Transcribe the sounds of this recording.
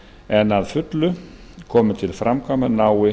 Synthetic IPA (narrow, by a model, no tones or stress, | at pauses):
ɛnaðfʏt̪lʏ | kʰɔːmʏt̪ʰɪlfɾʔamkʰamanaːwɪ